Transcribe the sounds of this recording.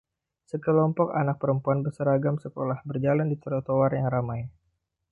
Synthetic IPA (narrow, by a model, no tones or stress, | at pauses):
səkəlɔmpɔkanak̚pəɾəmpuanbəsaɾaɡamsəkolahbərd͡ʒalandit̪əɾɔt̪owarjaŋramaj